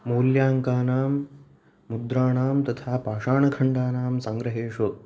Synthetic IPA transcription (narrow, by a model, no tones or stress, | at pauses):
moːljaːŋkaːnaːmː | ud̪ɾaːɳaːmt̪ɐt̪ʰaːpaːʂaːɳɐkʰɐɳɖaːnaːmsɐŋɡɾɐɦeːʂo